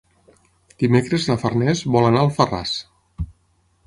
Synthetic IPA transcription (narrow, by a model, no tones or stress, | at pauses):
d̪̥imekɾeznafərnɛzβɔlanaəlˠfəra̰s